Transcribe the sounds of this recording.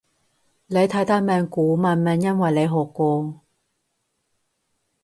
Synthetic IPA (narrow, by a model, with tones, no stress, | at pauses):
le˨˧jt̪ʰɐ˨˥jt̪ʰaː˥mɛː˨˧ŋkuː˨˥maː˨˩nmɛː˨˧ŋjɐ˥nwɐ˨jle˨˧jɦɔː˨˩kːʷɔː˧